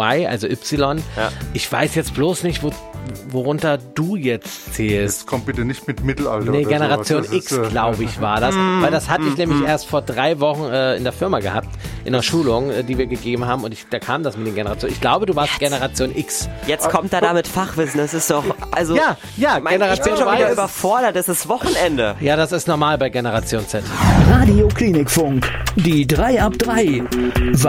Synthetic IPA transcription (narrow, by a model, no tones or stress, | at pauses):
aɪʔa̰lzoʔʏpsɪlɔnʔɪçv̥a̰ɪsjɛt͡stb̥loːsnɪçtv̥o | voʁʊntɐduːjɛt͡stt͡seːlsɛtkʰɔmb̥ɪtənɪçtmɪtmɪtl̩a̰lnəɡenəʁat͡sjoːnɪksɡlaʊbəɪçv̥aːɐdasvaɪldashatəɪçnɛːmlɪçʔeːɐstfoːɐdʁaɪvɔχn̩ɛːɪ̰ndeːɐfɪɐmaɡəha̰ːp̚tʔɪ̰nɐʃuːlʊŋʔɛdiːviːɐɡəɡeːbm̩haːbm̩ʊntɪçd̥aːkʰaːmdasmɪtd̥eːnɡenəʁat͡sjoːnɪçɡ̥laʊbəduːvaːɐstɡ̥enəʁat͡sjoːnʔɪksjɛt͡skʰɔmtd̥jaːdamɪtfaχv̥ɪsn̩dasɪstd̥ɔχʔalzojaː | jaːmaɡenəʁat͡sjoːnvaviɐːbɐfɔɐɾɐtɛsɪstv̥ɔχn̩ɛndəjaːdasɪstnɔɐmaːlbaɪɡenəʁat͡sjoːnt͡sɛtʁaːdiokʰliːnɪkfʊŋkd̥iːdʁaɪap̚d̥ʁaɪv